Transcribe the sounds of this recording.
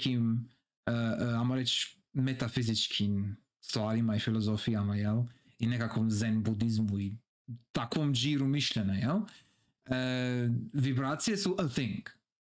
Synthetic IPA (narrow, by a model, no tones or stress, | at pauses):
kʲim | əəamɐɾɛt͡ʃ | mɛt̪afizit͡ʃkʲʰin | st̪oaɾimajfilɔzɔfiamajɛlˠ | inɛkakɔmzɛnbud̪izmui | t̪akɔmd͡ʒiɾumiʃlɛnɛjɛlˠ | ə | vibɾat̪sijɛsuʔəθɪ̃ŋk